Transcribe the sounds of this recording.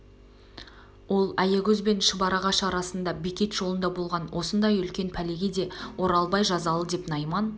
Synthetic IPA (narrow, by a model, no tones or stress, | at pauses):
wo̞lˠæjeɡʲɵzbe̞nʃəbɑɾɑʁɑʃɑɾɑsənd̪ɑbekʲe̞t̪ʒ̥o̞lˠənd̪ɑbo̞lˠʁɑnwʔo̞sənd̪ɑjʏlkʲe̞npʰæle̞ɡʲe̞d̪e̞wo̞ɾɑlˠbɑjʒɑzɑlˠəd̪e̞pnɑjmɑn